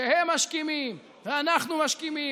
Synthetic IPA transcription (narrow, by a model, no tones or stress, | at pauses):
ehemːaʃkimim | veanaχnumaʃkimi